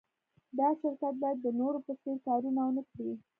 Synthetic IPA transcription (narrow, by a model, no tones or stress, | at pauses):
d̪ɑʃɪɾkat̪̚bɑjad̪ːənoɾopəsp̪eɾkɑɾunawənəkɽi